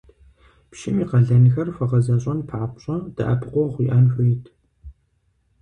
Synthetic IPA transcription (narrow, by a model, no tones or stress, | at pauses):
pʃɪmiːqɐɮɐnxɐrfɐʁɐzɐɕʼɐnpʰaːpɕʼɐd̥ɐ̰ʔɐpʰqʷɔχʷiːʔɐnħʷʊjtʰ